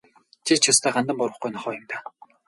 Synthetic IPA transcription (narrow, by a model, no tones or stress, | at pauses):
t͡ɕʰit͡ɕʰʊst̪ʰæːɢant̪ə̆mpʊɾwə̆χqujnɔχɔːjʊmt̪ḁ